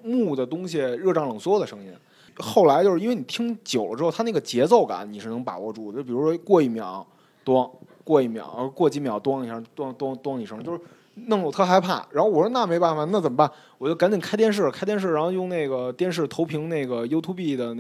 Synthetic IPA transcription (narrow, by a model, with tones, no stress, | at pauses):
mu˥˩d̪ə˩t̪ʊ˥ŋɕi˨ɻɤ˥˩ʈ͡ʂɑ˥˩ŋlɤ˨˩ŋswɔ˥˩d̪ə˩ʂɤ˧˥ŋji˧˥n | xo˥˩ʊla˧˥ɪt͡ɕjʂ̩˥˧i˥nwe˥˩ɪni˨˩t̪ʰi˥ŋt͡ɕjo˨˩ʊlə̰˦ʈ͡ʂɻ̩˥xʊt̪ʰe˥˩ɡə˩t͡ɕjɛ˧˥t͡so˥˩ʊka̰˧˩˦nni˨˩ʂɻ̩˥˩n˧˥ŋpa̰˨˩wɔ˧˥ʈ͡ʂu˥˩˥pi˨˩ɻu˧˥ʂwɔ˥kwɔ˥˧i˥˩mjɑ̰˨˩˦ʊ | t̪wɑ˥ŋ | kwɔ˥˧i˥˩mjɑ̰˨˩ʊkwɔ˥˩t͡ɕi˥mjɑ˨˩ʊt̪wɑ˥ŋni˨˩ʂɤ˧˥t̪wɑ˥ŋt̪wɑ˥ŋt̪wɑ˥ŋni˨˩ʂt͡ɕjo˥˧ʊʂɻ̩˥ | na˥˩ŋo˨˩ʊt̪ʰɤ˥xa˧˥ɪpʰa̰˥˩ɻa˧˥nxo˥˩ʊwɔ˨˩ʂ̩ɻ̩˥na˥˩me˧˥ɪpa˥˩fa˨na˥˩t͡sə˨˩mə˦ba˥˩n | wɔ˨˩t͡ɕjo˥˩ʊka˧˥nt͡ɕi˨˩nkʰa˥ɪt̪jɛ˧nʂ̬ɻ̩˥˩kʰɪt̪jɛ˥˧nʂ̬̩˥˩ɻa˧˥xo˥˧ʊjʊ˥˧ne˥˩ɪɡə˩t̪jɛ˥˧nʂ̬ɻ̩˥˩t̪ʰo˧˥ʊpʰi˧˥ŋne˥˩ɪɡə˩jo˥ʊt̪ʰu˥pi˥˩d̪ə˩n˥˩